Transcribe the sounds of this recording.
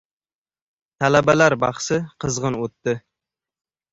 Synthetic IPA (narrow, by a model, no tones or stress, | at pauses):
t̪ʰalabalaɾbɑχsɪqʰɨzʁɨnot̪ːɪ